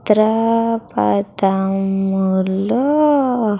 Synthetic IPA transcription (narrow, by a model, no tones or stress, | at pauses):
t̪ɾapa̰d̪amulo